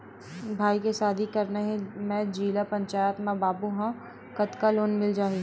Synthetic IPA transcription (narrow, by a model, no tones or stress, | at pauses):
bʱaːikesaːd̪ʱikɐɾnaɦɛ̃mɛ̃d͡ʒiːlapɐ̃ɲt͡ʃaːjət̪mãbaːbuɦã | kɐt̪kaloːnmɪld͡ʒaːɦi